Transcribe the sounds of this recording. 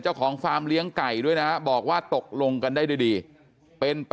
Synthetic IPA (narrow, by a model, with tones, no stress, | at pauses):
nt͡ɕa˥˩wkʰɔː˩˦ŋfaː˧mli˦˥əŋka˨˩jdu˥˩əjna˦˥bɔː˨˩k̚waː˥˩t̪o˨˩k̚lo˧ŋka˧ndaː˥˩jduː˧˥˩jdiː˧ | pe˧np